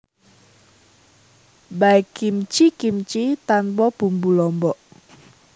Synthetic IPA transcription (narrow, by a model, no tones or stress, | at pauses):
baikimt͡ʃikimt͡ʃit̪anpɔb̥ṳmbulɔmbɔʔ